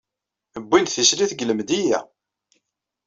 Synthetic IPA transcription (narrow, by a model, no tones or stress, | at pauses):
əbːinθisɾiθɡələmd̪ijæ̰